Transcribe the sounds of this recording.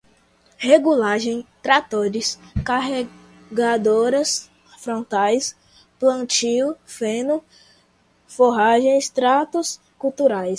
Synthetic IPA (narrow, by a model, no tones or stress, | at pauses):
heɡulaʒẽj̃t̪ɾat̪oɾɪskaɦe | ɡad̪oɾɐs | fɾõnt̪ajs | plɐ̃t͡ʃiwfẽnʊ | foɦaʒẽj̃st̪ɾat̪ʊs | kut̪uɾajs